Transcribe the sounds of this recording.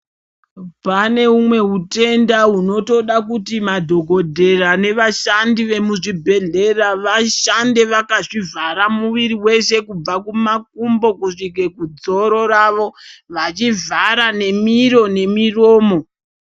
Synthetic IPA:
pane̞umwe̞ɦute̞ndaɦuno̞to̞ɗakutimadʱo̞ɡʱo̞dʱe̞rane̞ʋaʃandiʋe̞muʐibʱe̞ɮe̞raʋaʃandeʋakaʐivaɾamuʋiɾiwe̞ʃe̞kub͡vakumak̚umbo̞kuʂike̞kud͡zo̞ɾo̞ɾaʋo̞ʋat͡ʃivaɾane̞miɾo̞ne̞miroːmo̞

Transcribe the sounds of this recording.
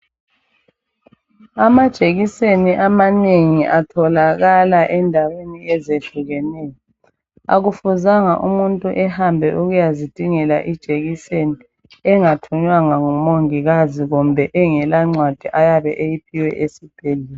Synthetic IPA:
amad̥ʒ̥ʱeɣiseniʔamaneŋiʔatʰɔlaɣalaʔɛndʱaweniɛzeɮʱuɣɛnɛːjɔ | a̰ɣufuzaŋaʔumuntʼuʔɛhambʱɛ̰ʔuɣujazid̥ʱiŋɛla̰ʔid̥ʒ̥ʱeɣiseni | ɛŋatʰuɲwaŋaŋumoŋiɣaziɣumbʱɛʔɛŋɛlaŋ͡ǀwad̥ʱiʔajaβɛʔejipʰiwɛ̰ʔesib̥ʱeliːlɛ

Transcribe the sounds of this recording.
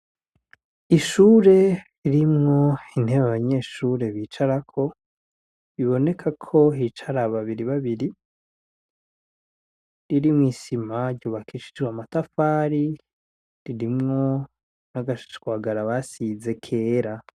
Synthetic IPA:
iʃuːɾe̞ | iɾimŋo̞in̥he̞βaβaɲe̞ːʃuɾe̞βiːt͡ʃaɾakʰo̞ | βiβo̞ne̞kʰakʰo̞ɦit͡ʃaɾaβaβiɾiβaβiɾi | ɾiɾimŋiːsimaɾɟoβakiʃi̥d͡ʒɡwamatafaːɾi | ɾiɾimŋo̞ | naɡaʃɡwaːɡaɾaβasize̞kʰe̞ːɾa

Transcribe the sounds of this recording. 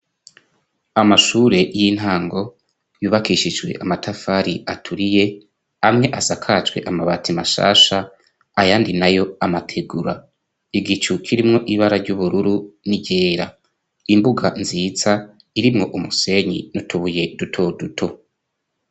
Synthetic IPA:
amaʃuːɾe̞jin̥ɦaːŋɡo̞ | juːβakiʃid͡ʒɡwe̞̰ʔamatʰafaɾiatʰuɾije̞ | amŋe̞ʔazakʰaːt͡ʃwe̞̰ʔamaβatimaʃa̰ːʃa | ajaːndinajo̞amatʰe̞ɡuɾa | iɡit͡ʃukʰiɾimŋo̞ʔiβaɾaɾɟuβuɾuɾuniɟe̞ːɾa | imbuɡanziːt͡sa | iɾimŋo̞ʔumuse̞ɲḭnutʰuβuje̞dutʰo̞dutʰo̞

